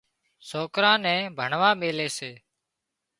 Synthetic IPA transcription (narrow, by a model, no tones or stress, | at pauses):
soːkɾãːnɛ̃ːbʱəɳʋãːmeːleːseː